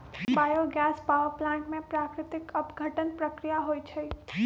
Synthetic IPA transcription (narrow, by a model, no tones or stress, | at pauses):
baːjoɡɛːspaːʋəɾplãːɳʈmẽpɾaːkɾɪt̪ɪkəpɡʱəʈənpɾəkɾijaɦoːit͡ʃʰɐi